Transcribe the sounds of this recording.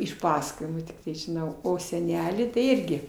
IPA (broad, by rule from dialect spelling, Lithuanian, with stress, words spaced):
ɪʃ ˈpɑːsɐkoːjɪmuː tʲɪkˈtɐɪ ʒʲɪˈnɐʊ oː sʲɛˈnʲæːlʲiː tɐɪ ˈɪrʲɡʲɪ